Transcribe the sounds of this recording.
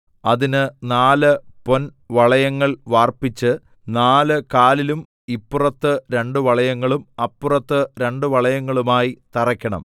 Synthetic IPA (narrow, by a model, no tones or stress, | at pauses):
ɐðinɨnaːlɨpo̞n | ʋɐɭɐjɐŋːɐɭʋaːrpit͡ɕːɨ | naːlɨkaːlilum | ipːurɐt̪ːɨɾe̞ɳɖuʋɐɭɐjɐŋːɐɭumɐpːurɐt̪ːɨɾe̞ɳɖɨʋɐɭɐjɐŋːɐɭumaːjit̪ɐrɐkʲːɐɳɐ̰m